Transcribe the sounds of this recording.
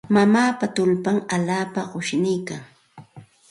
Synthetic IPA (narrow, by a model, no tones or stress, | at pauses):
mamaːpat̪ʊlpaŋalaːpaɢʊʃnɪjkaŋ